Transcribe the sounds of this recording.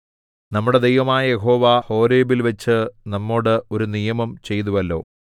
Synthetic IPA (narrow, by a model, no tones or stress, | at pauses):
nɐmːuɽe̞d̪ejʋɐmaːjɐje̞ɦo̞ːʋaho̞ːɾeːbilʋɐt͡ɕːɨnɐmːo̞ːɽɨo̞ɾunijɐmɐmt͡ɕe̞jt̪̬uʋɐlːo̞̰ː